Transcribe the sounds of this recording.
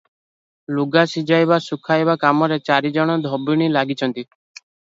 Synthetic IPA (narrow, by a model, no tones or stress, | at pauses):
luɡasid͡ʒajbasukʰajbakamɔɾet͡ʃaɾid͡ʒɔɽ̃ɔd̪ʱɔbiɽ̃ilaɡit͡ʃʰɔnt̪i